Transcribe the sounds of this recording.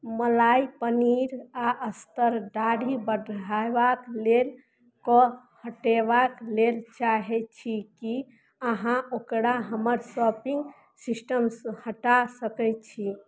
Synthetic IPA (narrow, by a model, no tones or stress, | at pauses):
məlaipəniɾaʔəst̪əɾɖaɽibədajbaklel | kɔ | həʈebaklelt͡ʃaɦɛt͡ʃʰiki | əɦãokɾaɦəməɾsɔpiŋɡ | sisʈəmshəʈasəkɛt͡ʃʰi